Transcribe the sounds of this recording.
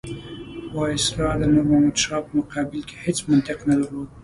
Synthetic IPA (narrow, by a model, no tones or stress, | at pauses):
wɑɪsɾɑlənoɾmamad̪ʃɑpəmʊqɑbɪlke̥het͡smʊnt̪ɪqnalalod̪̚